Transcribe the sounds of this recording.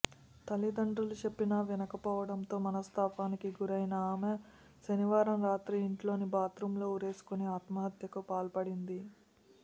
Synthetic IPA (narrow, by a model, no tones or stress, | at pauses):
t̪ɐlid̪ɐɳɖɾulut͡ʃepːinɐʋɛnɐkɐpɔːʋɐɽɐnt̪o̞ːmɐnɐst̪ʰaːpaːnikiɡuɾɐjnɐaːme | ʃɐniʋaːɾɐmɾaːt̪ɾiːɳʈlo̞ːnibaːt̪ɾumlo̞ːuɾe̞ːsu̥kuneaːt̪maɦɐt̪jɐkupaːlpɐɽind̪i